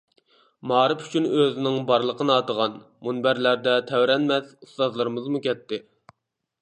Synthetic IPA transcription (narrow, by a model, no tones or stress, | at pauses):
mɑːɾɨpy̥t͡ʃʰynøzɪnɪŋbɑɾlˠəqʰənɨɑːt̪əʁɑn | munbæɾlæɾd̪ɛt̪ʰæwɾɛnmɛzust̪ɑzlˠəɾɨmɨzmukʲɛt̪ːɪ